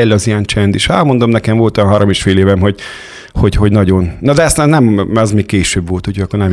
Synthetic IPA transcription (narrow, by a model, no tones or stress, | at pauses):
ɛlːɒzijɛnt͡ʃɛnd̪iʃɑmo̞nd̪omnɛkɛɱvo̞lt̪ojɒnɦɒɾomeːʃfeːleːvɛmɦo̞ɟ | ho̞ɟho̞ɟnɒɟo̞nnɒd̪ɛɛst̪ɛːnnɛmɛzmeːk̚keːʃøːbvʋo̞lt̪ucʰojɒkːornɛm